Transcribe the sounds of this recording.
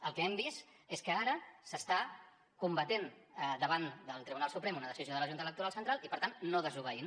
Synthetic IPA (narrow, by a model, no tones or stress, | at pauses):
əlˠkɛɛmbist̪ | eskəaɾəsəst̪a | kumbət̪en | d̪əβand̪əlˠt̪ɾiβunalˠsupɾemunəðəsizioð̞ələʒunt̪ələk̚t̪uɾalˠsənt̪ɾalˠipəɾt̪annːoðəzuβ̞əin